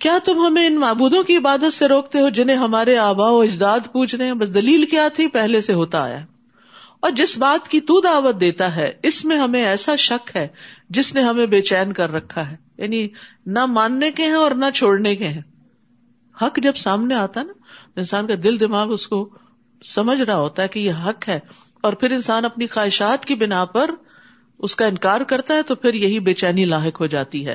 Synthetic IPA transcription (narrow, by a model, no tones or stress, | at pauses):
kjaːt̪ʊmɦɐmẽɪnmaːbuːd̪õkiɪbaːd̪ət̪seɾoːk̚t̪eɦod͡ʒɪnẽɦɐmaːɾeaːbaːoɪd͡ʒd̪aːd̪puːt͡ʃʰɾeɦɛ̃bɐs̬d̪ɐliːlkjaːt̪ʰipɛɦleseɦoːt̪aa̰ːja̰ɦɛ | ɔːɾd͡ʒɪsbaːt̪kit̪ud̪aːʋət̪̚d̪eːt̪aɦɛɪsmẽɦɐmẽɛːsaʃɐkɦɛːd͡ʒɪsneɦɐmẽbeːt͡ʃɛːnkɐɾːɐkʰːaɦɛːja̰ːninamaːnːekeɦɛ̃ɔːɾnat͡ʃʰoːɽnekeɦɛ̃ː | hɐkd͡ʒɐbsaːmneaːt̪aɦɛnat̪oɪ̃nsaːnkad̪ɪld̪ɪmaːɡʊsko | sɐməd͡ʒʱɾaɦoːt̪aɦɛkijeɦɐkɦɛː | ɔːɾpʰɪɾɪ̃nsaːnɐpnixaːɦɪʃaːt̪kibɪnapɐɾ | ʊskaɪ̃nkaːɾkɐɾt̪aɦɛt̪opʰɪɾjɐɦibeːt͡ʃɛːnilaːɦɪkɦod͡ʒaːt̪iɦɛ̰ː